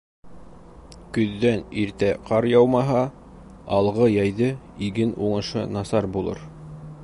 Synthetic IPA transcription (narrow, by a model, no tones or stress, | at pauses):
kɵ̆ðːæniɾt̪æqʰɑɾjɑwmɑɦɑ | ɑlˠʁɤjɑjðɤ | iɡɘnuɴɤ̆ʃɤ̰nɑsɑɾbulˠɤ̰ɾ